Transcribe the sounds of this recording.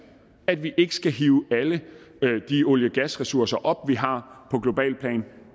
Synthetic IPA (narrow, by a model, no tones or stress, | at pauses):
æd̥ʋiʔe̝ɡ̥ə̥sɡ̥æɦiːʊæləd̥io̝ljəɡ̥æsʁɛsuɐsɐʔɒ̽b̥ʋiɦɑ̈pʰɒ̽ɡ̥lo̝b̥ɛ̰ːlpʰlɛ̰ːn